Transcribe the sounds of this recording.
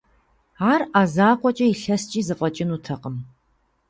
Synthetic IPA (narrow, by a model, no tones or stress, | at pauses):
aːraːzaːqʷɔt͡ʃʼɐiɬɐst͡ʃʼiːzɨqʷʼɔt͡ʃʼɪnutʰɐqʼəm